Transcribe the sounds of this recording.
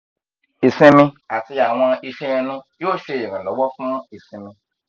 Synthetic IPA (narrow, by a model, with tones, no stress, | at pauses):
i˨sĩ˧mĩ˧a˨ti˧a˨w̃ɔ̃˧i˧ʃɛ˦ɛ̃˧nũ˦joː˦˨ʃe˧˨ĩ˨ɾã˨lɔ˨˦wɔ˦fũ˦i˨sĩ˧mĩ˧